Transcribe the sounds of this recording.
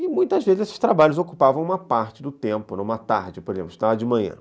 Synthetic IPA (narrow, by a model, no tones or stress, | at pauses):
ɪmũj̃t̪ɐzvezɪzesɪ̥ʃt̪ɾabaʎʊzokupavɐ̃w̃ũmɐpaɾt͡ʃɪd̪ʊt̪ẽmpʊnɐ̃ũmɐt̪aɾd͡ʒɪpoɾezḛ̃pʊst̪ad͡ʒɪmɐ̃ɲɐ̰̃